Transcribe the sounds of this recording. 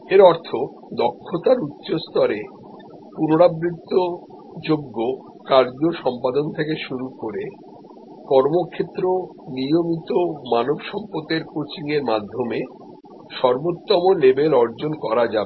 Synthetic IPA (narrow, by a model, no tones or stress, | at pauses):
eɾɔɾt̪ʰo | d̪ɔkʰːot̪aɾutːɕost̪ɔɾe | punoɽabɾit̪ːo | d͡ʑoɡːo | kaɾd͡ʑoʃɔmpad̪ont̪ʰekeʃuɾukoɾe | kɔɾmokʰet̪ːɾo | niomit̪omanobʃɔmpot̪eɾkot͡ɕiŋeɾmad̪ʱːome | ʃɔɾbot̪ːɔmolebelɔɾd͡ʑonkɔɾad͡ʑabe